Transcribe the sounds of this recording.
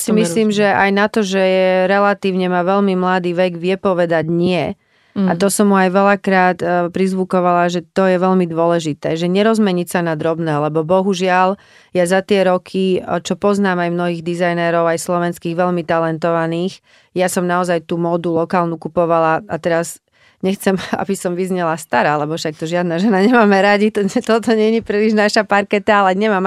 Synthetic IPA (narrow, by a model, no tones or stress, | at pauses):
jasimisliːmʒɛʔajnat̪ɔʒɛjɛɾɛlat̪iːʊɲɛmaʋɛʎmimlad̪iːʋɛɡʋɪjɛpɔʋɛd̪aɟɲɪɛ | at̪ɔsɔmɦuajʋɛlakɾaːt̪pɾizʋukɔʋalaʒɛt̪ɔjɛʋɛʎmid̪ʊɔlɛʒit̪ɛːʒɛɲɛɾɔzmɛɲicsanad̪ɾɔbnɛːlɛbɔbɔɦuʒɪal | jazat̪ɪɛɾɔkʰit͡ʃɔpɔznaːmajmnɔɦiːɣd̪izajnɛɾɔʊajslɔʋɛnskiːɣʋɛʎmit̪alɛnt̪ɔʋaniːx | jasɔmnaɔzajt̪uːmɔd̪ulɔkaːlnukupɔʋalaat̪ɛɾaz | ɲɛxt͡sɛma̰bisɔmʋizɲɛlast̪aɾaːlɛbɔfʃak̚t̪ɔʒɪad̪naʒɛnaɲɛmaːmɛɾaɟit̪ɔɲɛt̪ɔt̪ɔɲɛɲipɾiliʒnaʃapaɾkɛt̪aalɛɲɛmaːm